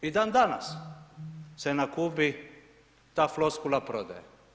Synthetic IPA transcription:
id̪aːnd̪ana̰s | sɛnakubi | t̪aːfloskulapɾod̪a̰jɛ

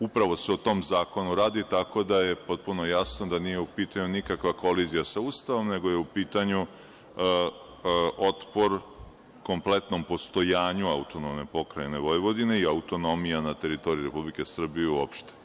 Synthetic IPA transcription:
upɾaʋo̞se̞ot̪o̞mzaːko̞nuɾaːd̪it̪ako̞d̪aje̞po̞t̪̚puno̞jasno̞d̪aniːjeupiːt̪aɲunikakʋako̞lizijasauːst̪aʋo̞mne̞ɡojeupiːt̪aɲu | o̞t̪po̞ɾ | ko̞mple̞t̪no̞mpo̞st̪o̞jaːɲuaut̪o̞nomne̞po̞kɾajene̞ʋo̞jʋo̞d̪ine̞iaut̪o̞no̞mijanat̪e̞ɾit̪o̞ɾiɾe̞publike̞sr̩bijeuopʃt̪e̥

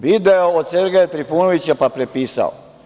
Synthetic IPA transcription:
ʋid̪eood̪seɾɡejat̪ɾifuːnoʋit͡ɕapapɾepiːsa̰o̰

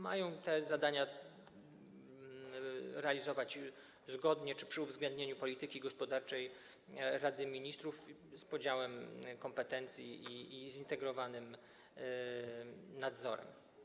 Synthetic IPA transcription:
ma̰jɔ̃w̃t̪ɛzad̪aɲa | ɾɛalʲizɔvat͡ɕ | zɡɔd̪ɲɛt͡ʂɘ̥pʂɘuvzɡlɛnd̪ɲeɲupɔlʲit̪ɘkʲiɡɔspɔd̪aɾt͡ʂɛj | ɾad̪ɘmʲiɲist̪ɾufspɔd͡ʑawɛmkɔmpɛt̪ɛnt̪sʲjiiːzint̪ɛɡɾɔvanɘm | nad̪zɔ̰ɾɛ̰m

